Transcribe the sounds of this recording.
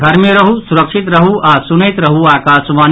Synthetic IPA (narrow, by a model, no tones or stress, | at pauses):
ɡʱɐɾmeɾəɦusuɾəkʃʰit̪ɾəɦuʔasunəjt̪ɾəɦuaːkaːsʋaːn